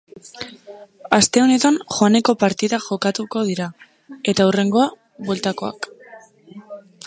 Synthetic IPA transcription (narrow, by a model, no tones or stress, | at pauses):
ast̪e̞o̞ne̞t̪aŋxoane̞ko̞paɾt̪iðaʝo̞kat̪uko̞ð̞iɾa | e̞t̪aure̞ŋɡo̞a | βwelt̪ako̞a̰k